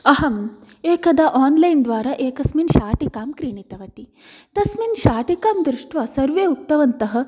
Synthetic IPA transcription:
ɐɦɐm | eːkɐd̪aːʔaːnlɐjnd̪ʋaːɾaːʔeːkɐsminʃaːʈikaːmkɾiːɳit̪ɐʋɐt̪i | t̪ɐsminʃaːʈikaːmd̪ɾɪʂʈʋɐsɐɾʋeːuk̚t̪ɐʋɐnt̪ɐɦɐ̆

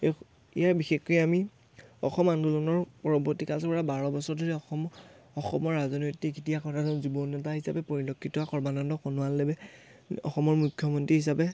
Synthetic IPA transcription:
e | ḭjaɹbixexɔjɛami | ɔxɔmanɡɔlɔnɔɹpɔɹɔbɔɹtikasɔpɔɹabaɹɔbɔsɔɹdʱoɹɛɔɔ | ɔxɔ̰mɔɹːazɔnojtikitiakɔtʰadɔnzibɔnɛtaɦisapɛpɔɹilɔkʰːitɔakɔɹbanɔndɔxɔnʊwalːebɛ | ɔ̰xɔmɔɹmukʰːjɔmɔntɹiɦisapɛ

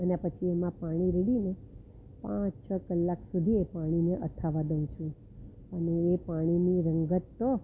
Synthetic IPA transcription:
ənepət͡ʃʰiemãpaɽ̃iɾeɽine | pãt͡ʃt͡ʃʰəkəlːaksud̪ʱiepaɽ̃ineʔə̰t̪ʰaʋad̪əʋũt͡ʃʰũ | əneepaɽ̃iniɾəŋɡət̪ːo

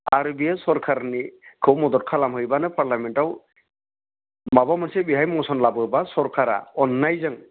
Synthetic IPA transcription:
aɾubiasɔɾkʰaɾnikʰowmɔd̪ɔt̚kʰalamɦojbanɯpʰaɾlamɛntaw | mabamansɛbiɦajmɔnsɔnlabɔbasɔɾkʰaɾa̰ɔnːajzaŋ

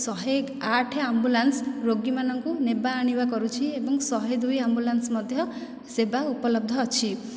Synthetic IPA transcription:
sɔɦe | aʈʰeambulansɾoɡimanɔŋkunebaːɽ̃ibakɔɾut͡ʃʰiebɔŋsɔɦed̪ujambulansmɔd̪ʱjɔ | sebaupɔlɔb̚d̪ʱɔːt͡ʃʰi

